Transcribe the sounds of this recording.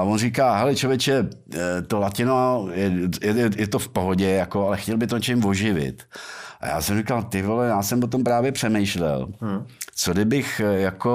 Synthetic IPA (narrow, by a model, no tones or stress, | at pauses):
avonrikaːɦɛlɪt͡ʃovjɛt͡ʃɛt̪olacɪnojɛjɛɛjɛt̪ofpoɦoɟɛjakoalɛxcɛlbɪt̪oɲɛt͡ʃɛmvoʒɪvɪ̰t̪ʔa̰ja̰ːsɛmrikalt̪ɪvolɛjaːsɛmvot̪o̞mpɾaːvjɛpr̥ɛmɛjʃlɛ̰l | t͡sodɪbɪxjako